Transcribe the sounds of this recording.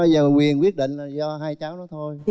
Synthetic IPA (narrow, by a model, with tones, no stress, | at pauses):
ɔ˨˦jzəː˨˩kwi˨˩ənkwi˦˥ət̚ɗḭ̈˧˨ŋ̟laː˨˩zɔ˧ɦaː˧jt͡ɕaː˨˦wnɔ˨˦t̪ʰo˧j